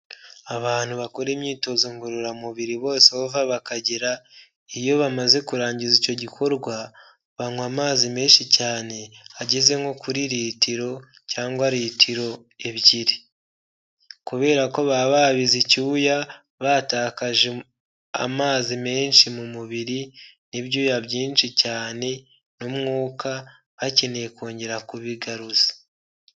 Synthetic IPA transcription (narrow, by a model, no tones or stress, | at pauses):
aβaːn̥huβakoɾeːmɲiːto̞ziŋɡuɾuɾamuβiɾiβo̞ːseβovaβakaɟiɾa | ijo̞βamaze̞kuɾaːɲɟizico̞ɟikʰo̞ɾɡwa | βaŋwamaːzime̞ːnʃicaːne̞aɟeze̞ŋɡo̞kuɾiɾiːtiɾo̞ | caːŋɡwaɾitʰiɾo̞ | eβɟiɾi | kuβe̞ːɾako̞βaβaβizicuːja | βataːkaʒe | a̰maːzime̞ːnʃimumuβiɾi | niβjujaβɟiːnʃicaːne̞ | numŋuːkʰa | βacenekoːɲɟe̞ɾakuβiɡaɾuzḁ